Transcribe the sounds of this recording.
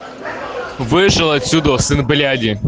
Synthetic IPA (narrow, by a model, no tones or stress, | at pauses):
vɨʂɨlˠɐt̪ʲsʲud̪əsɨnblʲadʲɪ